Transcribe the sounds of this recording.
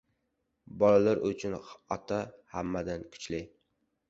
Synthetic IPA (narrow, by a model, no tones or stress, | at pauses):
bɒlalaɾʔʊt͡ʃʰʊnɒt̪ʰahamːad̪ankʰʊ̥t͡ʃlɪj